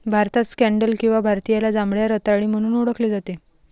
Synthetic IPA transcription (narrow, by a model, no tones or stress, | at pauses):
bʱaɾt̪askæ̃ɳɖəlkĩw̃ʋabʱaɾt̪ijalad͡zãmbɭjaɾət̪aɭiːm̤əɽ̃uːnuɽəkleːd͡zat̪e